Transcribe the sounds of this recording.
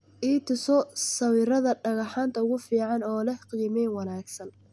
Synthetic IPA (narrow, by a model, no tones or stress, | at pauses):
ʔiːt̪ʰʊsɔsɐwiɾɐðɐɖɐɣɑħaːnt̪ʰɐʊɣʊfiːʕɑnɔːlɛqiːmɛjnwɑnaːɡsɐn